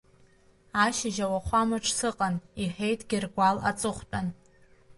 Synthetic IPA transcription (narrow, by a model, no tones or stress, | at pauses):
aʃɪʒawaχʷamɨʈ͡ʂʰʼsɨqʼaniħʲejtʼɡ̥ʲirɡʷala̰t͡sʼɨχʷtʼan